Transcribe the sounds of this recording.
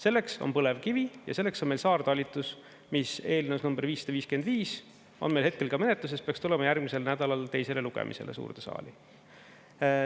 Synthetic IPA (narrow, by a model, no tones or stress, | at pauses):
se̞lːe̞kso̞̰npɤle̞vkivijɑ̰se̞lːe̞kso̞nmelsɑːrd̪̥ɑlʲːit̪ːˑus | mise̞ːlnewsnumb̥e̞ɾviːsːed̪ɑviːske̞nd̪viːs | o̞̰nmejlhe̞t̪̚ke̞lkɑme̞net̪lus̬e̞speɑkst̪ulemɑjæɾɡ̥mise̞lnæd̪̥ɑlɑlt̪e̞jse̞le̞luɡ̥ḛmʔḭse̞lḛsṵːrt̪esɑ̰ːli